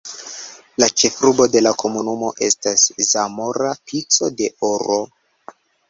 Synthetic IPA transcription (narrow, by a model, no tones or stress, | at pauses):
lat͡ʃe̞fɾubo̞de̞lakʰo̞munumo̞ʔe̞staszamo̞ɾapʰit͡so̞de̞oɾo